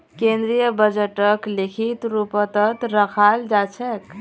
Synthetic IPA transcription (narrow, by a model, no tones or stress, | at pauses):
kẽnd̪ɾijəbəd͡ʒəʈəklekʰit̪ɾupət̪ət̪ɾəkʰald͡ʒat͡ʃʰɛk